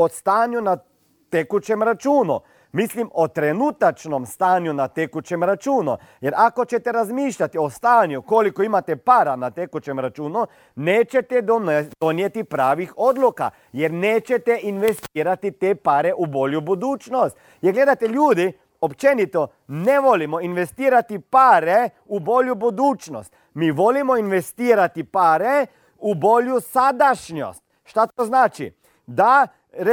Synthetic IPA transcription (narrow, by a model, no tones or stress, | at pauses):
ost̪aɲjuna | t̪ekut͡ʃemɾat͡ʃuːnṵ | mislimot̪ɾenut̪at͡ʃnomst̪aːnjunat̪ekut͡ʃemɾat͡ʃuːnṵ | jɛɾakot͡ʃɛt̪ɛɾazmiːʃʎat̪iost̪aːɲjukolikoimat̪ɛpaːɾanat̪ekut͡ʃemɾat͡ʃuːnu | neːt͡ʃɛt̪ɛd̪̥onjet̪ipɾaːʋixod̪luka̰ | jeɾneːt͡ʃet̪ɛʔinʋest̪iːɾat̪it̪eːpaɾeʔubo̞ʎubud̪uːt͡ʃnost̪ | jeɡle̞d̪at̪eʎuːd̪i | opt͡ʃenit̪o | neʋo̞limoinʋe̞st̪iːɾat̪ipaɾe | ubo̞ʎubud̪uːt͡ʃno̰st̪ | miːʋo̞limoinʋe̞st̪iːɾat̪ipaɾe | ubo̞ʎusad̪aʃɲo̰st̪ | ʃt̪at̪oznaːt͡ʃḭ | d̪a | ɾ